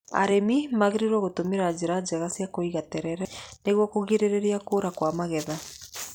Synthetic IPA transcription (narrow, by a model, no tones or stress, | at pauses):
a̰ɾemimaɣeɾiɾwɔɣotomeɾad͡ʑeɾad͡ʑɛɣasjakoiɣatɛɾɛɾɛneɣwɔkoɣeɾeɾeɾiakoːɾakwamaɣɛða